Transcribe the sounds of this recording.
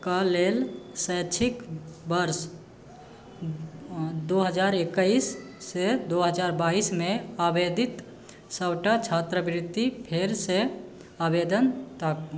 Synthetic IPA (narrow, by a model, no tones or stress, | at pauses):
kalelsəjt͡ʃʰikbəɾs | d̪oɦəd͡ʒaɾekəisː | ed̪oɦəd͡ʒaɾbaːismẽabed̪ʱit̪ | səbʈat͡ʃʰat̪ɾəbɾɪd̪ːipʰeɾse | abed̪ənt̪ək